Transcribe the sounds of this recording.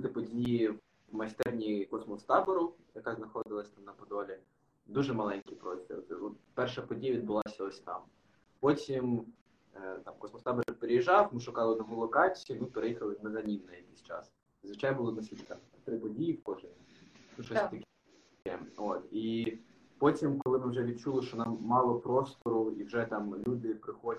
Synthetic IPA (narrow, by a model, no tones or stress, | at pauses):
t̪ɪpɔdʲiiji | mɐsʲt̪ɛrnʲikɔsmɔst̪ɑbɔɾʊjɐkɑznɐxɔd̪ɪlˠɐsʲt̪ɑmnɐpɔd̪ɔlʲi | d̪uʒɛmɐlˠɛnʲkʲipɾɔsʲḭrt̪ɪɔt̪pɛrʃɐpɔdʲijɐʋʲid̪̚bʊlˠɑsʲɐɔsʲt̪ɑ̰m | pɔtʲim | t̪ɑmkɔsmɔst̪ɑbɔɾɛpeɾɪjiʒɑwmɪʃʊkɑlˠɪd̪ɔɦɔlˠɔkɑt͡sʲijimɪpeɾejixɐlˠɪmɛzɐnʲimnɐjɐkisʲt͡ʃɑ̰s | zʋɪt͡ʃɑjnɐbʊlˠɔnɐsʲit̪kɐ | t̪ɾɪpɔdʲijiwkɔʒɪnʲnuʃɔst̪ɐkʲ | ɛot̪i | pɔtʲimkɔlˠɪmɪwʒɛʋʲid̪̥̚t͡ʃulˠɪʃt͡ʃɔnɑmːɑlˠɔpɾɔst̪ɔɾʊiwʒɛt̪ɑmlʲud̪ɪpɾɪxɔ